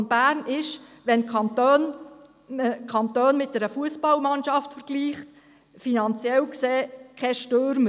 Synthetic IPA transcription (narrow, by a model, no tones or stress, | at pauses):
nb̥æːɾnɪʃʋɛnkɑntøn | kʰɑnt̪øːnmɪt̚d̥̪ɛɾəfuəsbɑlmɑnʃɑftfəɾɡ̥liːχt | finɑnt͡sjɛlkseːkʰɛʃtøɾmə